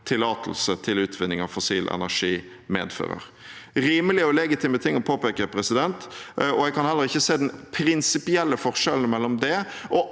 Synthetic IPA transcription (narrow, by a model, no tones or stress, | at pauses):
t̪ʰɪlɑːt̪ʰəl̩sət̪ʰɪlʉːt̪ʰʋɪnːɪŋɑʋfʊsiːlʔɛ̰næʂiː | mḛːd̪fø̰ːʁə̰ɾ | ɾiːməlɪɔlɛɡɪt̪ʰɪmət̪ʰɪŋːɔpʰoːpeːkəpʰɾɛsɪd̪ɛnt̪ɔɛɡkʰɑnhɛlːəɾɪçːəseːd̪ɛnpʰɾɪnsɪpɪɛlːəfɔʁʂɛlən̩mɛlːɔmd̪ɛ | ʔɔ